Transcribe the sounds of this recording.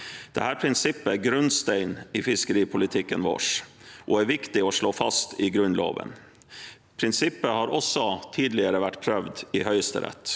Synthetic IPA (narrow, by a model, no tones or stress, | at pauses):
d̪̥ɛ̰hæːɾpʰɾɪnsɪpːəæɡɾʉnst̪ɛɪnifɪskəɾiːpʰʊlɪt̪ʰɪkːənʋo̰ːʂʔɔæɾʋɪkt̪ɪɔːʂɭoːfɑst̪ɪɡɾʉnlo̰ːʋə̰n | pʰɾɪnsɪpːəhɑːɾɔsːɔt̪ʰiːd̪lɪəɾəʋæʈːpʰɾœʋd̪ɪːhœʏəst̪ə̰ɾɛ̰t̪ː